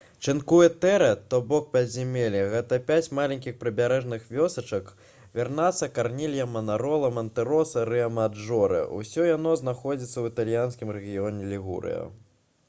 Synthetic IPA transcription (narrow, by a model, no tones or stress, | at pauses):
t͡ʂɨnkujɛt̪ɛɾɐt̪ɔbɔk̚pʲɐzʲimʲelʲɐɣɛt̪ɐpʲat͡sʲmalʲɐnʲkʲixpɾɨbʲaɾɛʐnɨxvʲɔsɐt͡ʂɐk | vʲarnat̪sːɐkarnʲilʲjɐmɐnaɾɔlˠɐmɐnt̪ɛɾɔsɐɾɨɐmad͡ʐɔɾɨ̰ṵsʲɔjanɔznaxɔd͡zʲit̪sːɐwit̪alʲjanskʲimɾɛɣʲijɔnʲɛlʲiɣṵɾɨ̰jɐ̰